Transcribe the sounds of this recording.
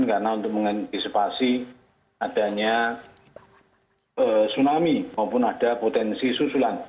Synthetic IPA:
nkarənaunt̪ʊk̚məŋant̪isipasi | ad̥a̤ɲa | əsunamimaupʊnad̥a̤pot̪ɛnsisusulan

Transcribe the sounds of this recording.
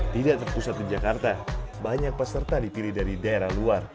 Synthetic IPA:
t̪idaʔt̪ərpusat̪̚did͡ʒakart̪abaɲak̚pəsərt̪adipilihdaɾidaeɾahluar

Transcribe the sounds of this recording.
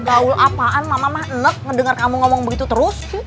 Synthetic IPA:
ɡaʊlʔapaʔanmamamahənək̚ŋədəŋarkamuŋɔmɔŋbəɡit̪ut̪əɾʊs

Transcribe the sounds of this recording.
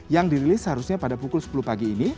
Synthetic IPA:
jaŋdiɾilɪsɦaɾusɲapadapukʊlsə̥puluhpaɡiːni

